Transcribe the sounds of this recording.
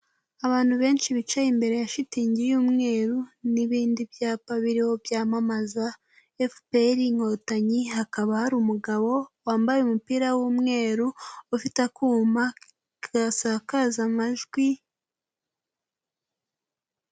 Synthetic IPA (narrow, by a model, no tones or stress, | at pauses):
aβaːn̥huβe̞ːnʃiβit͡ʃajimbe̞ɾe̞jaʃitiːɲɟijuːmŋe̞ːɾuniβiːndibjaːpaβiɾiho̞bjaːmamaza | efpeɾiŋho̞taɲiɦakaβahaɾuːmuɡaβo̞waːmbajeumupiːɾawumŋe̞ːɾuufitakuːma | ɡasakazamaʒɡwi